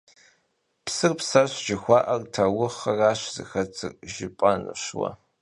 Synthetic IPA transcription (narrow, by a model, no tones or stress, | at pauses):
psɨrpsɐɕʒɪxʷɑːʔɐrtʰɐwʊχɐraːɕzɨ̰xɐt͡sʰʼɨ̰rʒɪpʼɐnɨ̰ʃwɐ̰